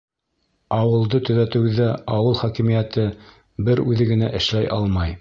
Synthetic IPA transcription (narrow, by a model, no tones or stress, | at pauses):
ɑwɤ̆lˠd̪ɤt̪ɵ̆ðæt̪ɘ̆wðæɑwɤlˠχækimijæt̪ɘ | bɘɾʉðɘ̆ɡɘ̆næʔɘ̆ʃlæjʔɑ̰lˠmɑj